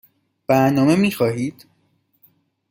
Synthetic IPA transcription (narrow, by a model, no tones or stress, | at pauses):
b̥æɾnɒːme̞miːxɒːɦiːd̪̥